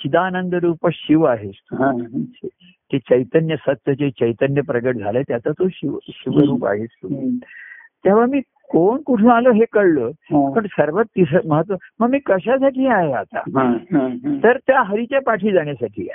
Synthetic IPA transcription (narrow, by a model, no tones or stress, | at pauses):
t͡ɕid̪aːnənd̪əɾuːpəɕiʋaɦet͡st̪ue | t̪et͡ɕəjt̪ənjəsət̪jət͡ɕet͡ɕəjt̪ənjəpɾəɡəʈ̚d͡zʱalet̪jat͡sat̪oɕiʋɕiʋəɾuːpa̰ɦet͡st̪u | t̪jaʋ̤amiː | koɳkuʈʰũːaloɦekəɽloɦpəɳsəɾʋət̪ːis̬əməɦət̪ʋəməɡmiːkəɕ̬asaʈʰiːaɦeat̪a̰ɦ | t̪əɾt̪jaɦəɾit͡ɕjapaʈʰiːd͡zaɳjasaʈʰḭː